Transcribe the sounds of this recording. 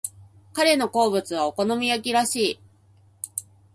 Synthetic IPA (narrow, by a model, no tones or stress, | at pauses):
kaɾe̞no̞ko̞ːbɯ̟t͡sɨβ̞aoko̞no̞mʲijakʲiɾaɕiː